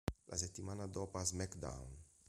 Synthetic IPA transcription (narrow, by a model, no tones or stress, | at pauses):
lʔa̰set̪ːimanad̪ɔpazmɛkd̪a̰wn